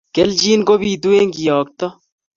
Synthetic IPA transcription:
keld͡ʒiːnɡobiːd̪ueŋɡijɔːk̚t̪ɔ

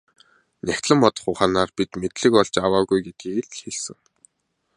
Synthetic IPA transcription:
nʲækʲt̪ɮə̆mpɔt̪ɞ̆χʊχaːnaːrpit̪met̪ɮɘ̆kɔɮt͡ɕawaːɣujɡet̪̚ɡiːɮxeɮsɘ̆ŋ

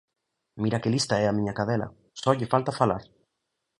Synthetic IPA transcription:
miɾakɪlist̪aɛamĩɲakaðɛla̰ | sɔʎɪfalt̪afalaɾ

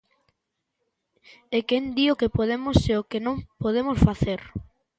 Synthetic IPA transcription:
ekend̪iokepoðemoseokenõŋpoðemosfaθeɾ

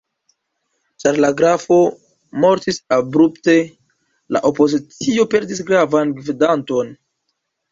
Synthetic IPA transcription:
t͡ʃaɾlaɡɾafo̞ | mo̞ɾtisabɾupte̞ | la̰ʔopo̞zit͡sio̞pe̞ɾdis̬ɡɾavanɡvidanto̞n

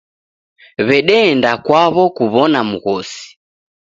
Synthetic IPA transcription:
βɛɗɛːndakwaβɔkuβɔnamuɣɔsi̥

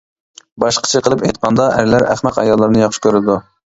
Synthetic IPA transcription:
bɑʃqʰə̥t͡ʃʰiqʰəlˠɨpejt̪qʰɑnd̪ɑʔæɾɪlæɾæ̰χmæqɑ̰jɑlˠːɨɾnɨjɑχʃkʲøɾɪd̪u

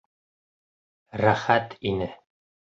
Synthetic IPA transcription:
ɾæχæt̪ʰinɘ

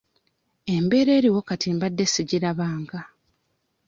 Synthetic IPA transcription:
e̞mbe̞ːɾe̞ːɾiwo̞katiːmbadːe̞siɟiɾaβaːŋɡa

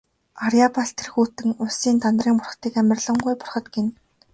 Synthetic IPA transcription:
aɾjapaɬt̪ʰerxuːt̪ɘ̆ŋʊsiːnt̪ʰant̪riːŋpʊrχt̪iːkæmʲɪ̆rɮə̆ɴɢujpʊrχɞ̆t̪ɡen

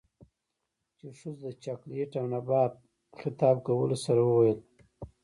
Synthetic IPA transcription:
t͡ʃeʂuzd̪ət͡ʃakleʈawnabɑːt̪̚ | xɪt̪ɑːb̚kawəlosaɾawəwajəl

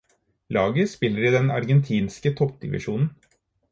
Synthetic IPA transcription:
lɑːɡəspɪlːəɾɪd̪ɛnɑ̰ɾɡɛnt̪ʰiːnskət̪ʰɔpd̪ɪ̰ʋɪ̰ʂuːnn̩

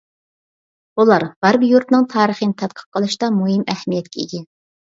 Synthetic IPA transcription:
ulˠɑɾʁɑɾbjuɾt̪nɨŋt̪ʰɑːɾəχənɪt̪ʰɛt̪̚qʰə̥q̚qːəlˠɨʃt̪ɑmuɦimæhmijɛt̪̚kʲʰɛḛɡʲɛn

